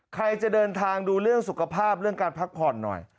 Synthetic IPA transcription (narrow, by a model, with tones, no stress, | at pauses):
kʰɾa˧jt͡ɕa˨˩ʔdɤː˧nt̪ʰaː˧ŋduː˧ɾɯ˥˩əŋsu˨˩kʰa˧pʰaː˥˩p̚ɾɯ˥˩əŋkaː˧npʰa˦˥k̚pʰɔː˨˩nːɔ̰˨˩j